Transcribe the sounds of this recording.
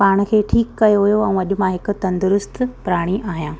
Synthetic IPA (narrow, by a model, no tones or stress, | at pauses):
paːɽ̃̆kʰeːʈʰiːkːɐjoʋijoɛ̃ɐʄʊ̆mãɦɪkʊ̆t̪ɐ̃nd̪ʊɾʊst̪ʰpʊɾaːɽ̃iʔaːɦijãː